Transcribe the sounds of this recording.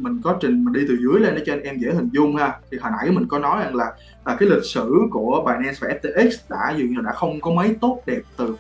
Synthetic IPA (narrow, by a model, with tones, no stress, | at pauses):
mï˨˩ŋ̟kɔ˨˦t͡ɕï˨˩ŋ̟maː˨˩ɗi˧t̪ɨ˨˩zɨ˨˦əjle˧nʔəː˨˦t͡ɕɔ˧ŋ̟ʔɛ˧mɣḛ˧˥˩hï˨˩ŋ̟zʊ˧ŋ͡mhaː˧˩t̪ʰi˨˩ɦaː˨˩nʔa̰˧˩jmï˨˩ŋ̟kɔ˨˦nɔ˨˦jza˨˩ŋlaː˨˩ | ʔːkaː˨˦jlï˨˩k̚sɨ̰˧˨ku˧˩əɓaː˨˩jnɛ˧nsvaː˨˩ʔɛ˦˥p̚t̪e˧ʔi˦˥k̚sɗa̰ː˧˥zṵ˧˨ŋaː˨˩ɗa̰ː˧˥xə˧wŋ͡mkɔ˨˦mə˨˦jt̪o˦˥t̚ɗɛ˨˩p̚t̪ɨ˨˩